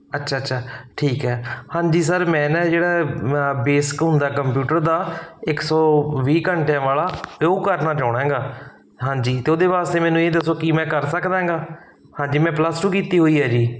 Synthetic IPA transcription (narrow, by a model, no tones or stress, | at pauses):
ətːʃʰaːətːʃʰaːʈʰiːkɦɛːhãːɲd͡ʒiːsəɾmɛ̃ːnɛ̃ːd͡ʒeːɽaːbeːskɦʊnd̪aːkəmpjuːʈəɾd̪aːɪksɔːʋiːkəɳʈjãːʋaːlaːokəɾnaːt͡ʃaːɽ̃ãːɡaː | ɦãːɲd͡ʒiːt̪eːoːd̪eːʋaːst̪eːmɛːnũːeːd̪əsoːkimɛ̃ːkəɾsəkd̪ãːŋɡaː | hãːɲd͡ʒiːmɛ̃ːpləsʈuːkiːt̪iːɦoːiːɛːd͡ʒiː